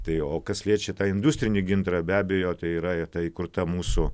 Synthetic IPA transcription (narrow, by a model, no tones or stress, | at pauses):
t̪ɐɪoːkɐslʲiɛt͡ʃʲɛt̪ɑːɪnd̪ʊsʲt̪ʲɾʲɪnʲɪɡʲɪnt̪ɾɐbʲæːbʲejoːt̪ɐɪiːɾɐt̪ɑiːkʊɾt̪ɐmuːsʊ